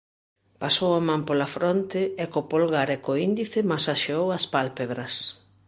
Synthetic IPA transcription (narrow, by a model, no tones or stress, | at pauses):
pasowamãmpolafɾont̪ɪɛkopolɣaɾɛkoind̪iθɪmasaʃeowɐspalpeβɾɐs